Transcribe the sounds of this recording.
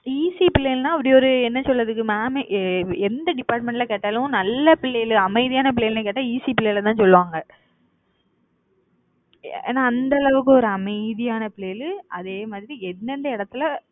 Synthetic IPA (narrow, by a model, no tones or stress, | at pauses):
iːsipɪlːeːlnãːɐpːɐɽijɔɾɯɛnːɐsɔlːɐðɯk̬ːɯmaːmɛnd̪ɐɖɪpːaːɾʈ̚mɛɳʈlɐkeːʈːaːlʊ̃nɐlːɐpɪɭːejɪlɯɐmɐɪðɪjaːnɐp̬ɪɭeːɪlnɐk̬eːʈːaiːsipɪlːeːlɐt̪ãːnsɔlːɯʋaːŋɡɐ | ḛːnãːnd̪ɐlɐʋɯk̬ːɯɔɾɯɐmɐɪðɪjaːnɐpɪleːjɪlɐðeːmaːðɪɾiɛnːɛnd̪ɐɪɽɐt̪ːɯlɐ